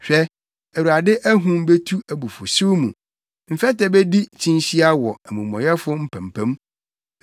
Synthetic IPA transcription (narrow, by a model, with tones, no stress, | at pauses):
ɕᶣɛ˦ | æ˨wu˨ɾa˨dɪ˦ʔæ˦ɦũ˦m˦be˦tʰu˦æ˨bu˨fʊ˨sʊ˦mṵ̃˨ | m̩˨fɛ˦tɛ˨be˦di˦t͡ɕʰĩ˦nɕi˦a˦wɔ˨æ˨mũ˨mɔ̰̃˨jɛ˦fʊ˦m̩˦pʰæ̃˨mpʰæ̃˦m